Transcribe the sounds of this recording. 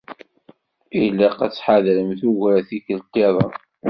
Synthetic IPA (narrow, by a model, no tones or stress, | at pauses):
ilːɑqat͡sːħaðɾəmθuʝɾæθikəlt̪ːɪðˤɑ̰